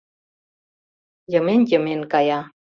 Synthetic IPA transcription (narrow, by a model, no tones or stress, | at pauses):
jəmenjəmenkɑjɑ